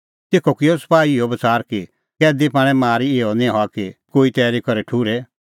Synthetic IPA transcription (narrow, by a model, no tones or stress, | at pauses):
t̪eːkʰɔkɪɔsɐ̥paːiɪɔbɐt͡saːɾki | kɛːd̪ipaːɽ̃ɛ̃maːɾieɔnĩɦɔakikoːit̪ɛːɾikɔɾɛʈʰuːɾɛ